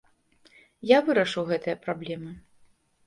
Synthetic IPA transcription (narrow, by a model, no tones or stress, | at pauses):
javɨɾɐʂɨwɣɛt̪ɨjɐpɾablʲɛmɨ